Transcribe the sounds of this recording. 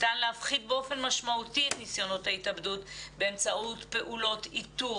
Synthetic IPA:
tanleafχid̪̚beo̞fe̞nmaʃmautiet̪nisjo̞no̞thaitabdutbeːmt͡saʔutpe̞ʔulo̞titu

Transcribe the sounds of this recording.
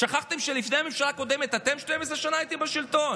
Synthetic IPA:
ʃaχaχt̪e̞mʃelifnehamemʃalaːko̞d̪eme̞t̪at̪e̞mʃte̞mes̬ʁeʃanaːjit̪ibeʃilt̪o̞n

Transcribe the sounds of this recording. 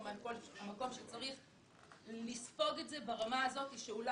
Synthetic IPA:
manko̞lmako̞mʃet͡saʁiχ | lisfo̞ɡetze̞baʁamaːzo̞t̪iʃeula

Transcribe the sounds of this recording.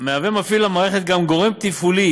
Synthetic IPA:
meavemafiluamaːʁeχet̪̚ɡamɡo̞ʁemt̪ifuli

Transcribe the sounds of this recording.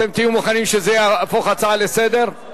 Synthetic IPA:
emt̪ijumoχanimʃezejaafoχat͡saale̞sed̪e̞ʁ

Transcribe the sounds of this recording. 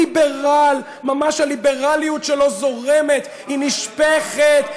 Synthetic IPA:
ibeʁal | mamaʃhalibe̞ʁalijut̪ʃelo̞zo̞ʁemet̪ | hiniʃpeχet̪

